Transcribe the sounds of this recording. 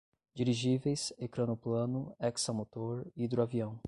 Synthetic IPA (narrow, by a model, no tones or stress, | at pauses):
d͡ʒiɾiʒivejsekɾɐ̃nʊplɐ̃nʊɛksamot̪oɾid̪ɾuaviɐ̃w̃